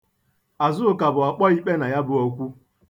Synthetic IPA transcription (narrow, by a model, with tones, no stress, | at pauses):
a˨zʊ˦ʊ˦ka˨bʊ˨ɔ˨k͡pɔ˦i˦k͡pe˦na˨ja˦bʊ˦o˦kʷu˦